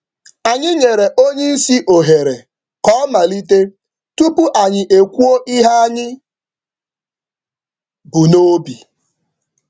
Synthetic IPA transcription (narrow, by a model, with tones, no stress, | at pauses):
a˨ɲɪ˦ɲe˨ɾe˨ʔo˦ɲe˦i˦si˦ʔo˨ɦe˨ɾe˨ | kɔ˦ɔ˦ma˨li˦t̬e˦ | tu˦pu˦ʔa˨ɲɪ˨ʔe˨kʷu˦o˦ʔi˦ɦa˦a˦ɲɪ˦ | bu˨no˦bi˨